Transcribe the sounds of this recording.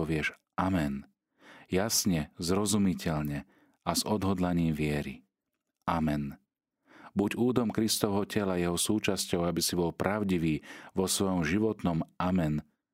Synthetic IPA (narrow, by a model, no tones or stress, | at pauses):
ɔʋɪɛʃ | ʔamɛn | jasɲɛzɾɔzumicɛʎɲɛ | azɔd̪ɦɔd̪laɲiːmʋɪɛɾḭ | amɛn | buɟuːd̪ɔmkɾist̪ɔʊɦɔcɛlajɛɦɔsuːt͡ʃascɔʊabisibɔlpɾaʊɟiʋiːʋɔsʋɔjɔmʒiʋɔt̪nɔmʔamɛn